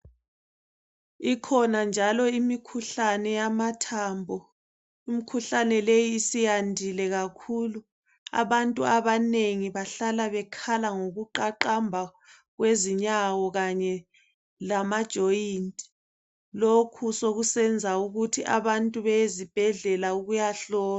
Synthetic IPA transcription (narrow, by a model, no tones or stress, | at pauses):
ikʰɔnand͡ʒʱalɔimikʰuɬanɛjamatʰaːmbʱɔ | imikʰuɬanɛlejiːsijandʱilɛɣakʰulu | a̰βantʼuaβaneŋiβaɬalaβɛkʰalaŋoɣuǃaǃambʱa | ɣweziɲawɔɣaɲɛ | lamad̥ʒ̥ʱɔintʼ | lokʰusoɣusɛnd͡zʱauɣutʰiʔa̰βantʼuβɛezib̥ʱɛɮɛlauɣujaɬɔːa